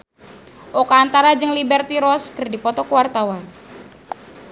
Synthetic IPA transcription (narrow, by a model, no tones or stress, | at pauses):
ʔɔkaːnt̪aɾad͡ʒəŋlibɛrt̪iɾɔskərdipɔt̪ɔkuwart̪awan